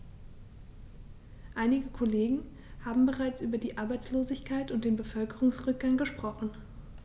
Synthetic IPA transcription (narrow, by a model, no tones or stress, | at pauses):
ʔaɪnɪɡəkʰoleːɡŋ̩ | haːbm̩bəʁaɪt͡sʔyːbɐdiːʔaɐbaɪt͡sloːzɪçkʰaɪtʊnt̚d̥eːnbəfœlkəʁʊŋsʁʏk̚ɡ̥aŋɡəʃpʁ̥ɔχn̩